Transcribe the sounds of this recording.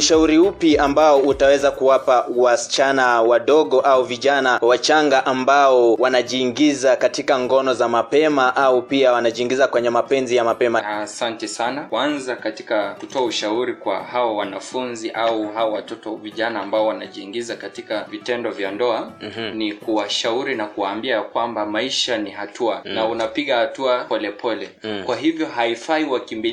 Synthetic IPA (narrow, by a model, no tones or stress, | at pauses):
uʃauɾiupiambaɔutawɛzakuwapawasi̥t͡ʃanawaɗɔɠɔʔauviʄanawat͡ʃaŋɡaʔambaɔwanaʄiːŋɡizakatikaŋɡɔnɔzamapɛmaʔaupiawanaʄiːŋɡizakwɛɲɛmapɛnzijamapɛmaasantɛsanawanzakati̥kakutɔauʃauɾikwa̰hawawanafunziʔauɦawɔwatɔtɔviʄanaːmbaɔwanaʄiːŋɡizakatikavitɛndɔvjandɔanikuwaʃauɾinakuwaːmbiakwambamaiʃanihatʰuanaunapiɠahatuapɔlɛpʰɔlɛkwaɦivjɔɦaifaiwakimbi